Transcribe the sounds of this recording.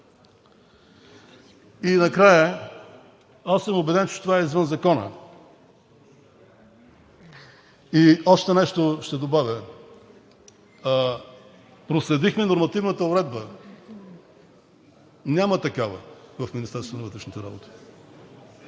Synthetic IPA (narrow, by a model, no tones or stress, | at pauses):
inɐkɾajə | asəmobɛd̪ɛnt͡ʃɛ̥t̪ovaɛizvənzɐkɔnə̰ | iɔʃt̪ɛnɛʃt̪oʃt̪ɛd̪obavʲə | pɾoslɛd̪ixmɛnoɾmɐt̪ivnət̪əʊɾɛd̪̚bə | nʲjamət̪ɐkavə̰vɐfmʲinist̪ɛɾsonvət̪ɾɛʃnit̪ɛɾa̰bo̰t̪i̥